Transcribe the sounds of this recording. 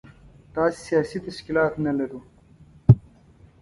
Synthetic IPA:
t̪ɑːssijaːsit̪ɐʃkilɑːt̪nɐlɐɾu

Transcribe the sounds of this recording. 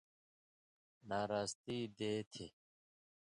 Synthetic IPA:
naːɾaːst̪iːd̪eːt̪ʰe

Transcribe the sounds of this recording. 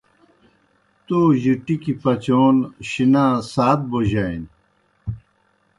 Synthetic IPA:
t̪oːʑiʈikipɐt͡ɕoːnɕinaːsaːt̪̚boʑain

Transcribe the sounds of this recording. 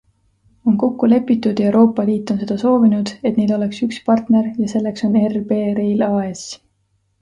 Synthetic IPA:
o̞nko̞kːule̞pːˑit̪ːˑud̪̥je̞wɾo̞ːpːˑɑliːt̪ːˑo̞nse̞d̪̥ɑso̞ːvinud̪̥e̞t̪nelo̞le̞ksykspɑrt̪ne̞ɾjɑse̞lːe̞kso̞ne̞rb̥eːɾe̞jlɑːes

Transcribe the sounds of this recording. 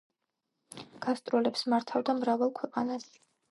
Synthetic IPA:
ɡ̥ast̪ʼɾɛlɛpsmaɾt̪ʰavd̪amɾavalˠkʰwɛqʼanas

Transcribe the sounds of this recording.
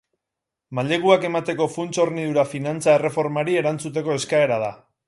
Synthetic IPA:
maʎe̞ɣuake̞mat̪e̞ko̞funt͡so̞ɾnið̞uɾafinant͡sae̞re̞fo̞ɾmaɾie̞ɾant͡sut̪e̞ko̞e̞skae̞ɾað̞a

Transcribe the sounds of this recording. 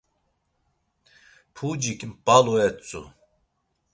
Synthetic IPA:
pʰud͡ʒikʼmpʼaluɛt͡sʼṵ

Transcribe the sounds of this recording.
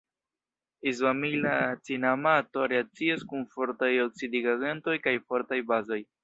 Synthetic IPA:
islamilat͡sinamato̞ɾeat͡siaskunfo̞ɾtajoksidiɡaɡento̞jkajfo̞ɾtajbazo̞j

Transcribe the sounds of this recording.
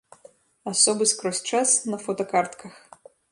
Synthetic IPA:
asɔbɨskɾɔsʲt͡ʂasnɐfɔt̪ɐkart̪kʰɐx

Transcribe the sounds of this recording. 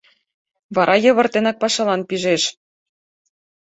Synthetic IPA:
βɑɾʔɑjɤ̆βɤ̆rt̪enɑk̚pɑʃɑlɑnpiʒeʃ

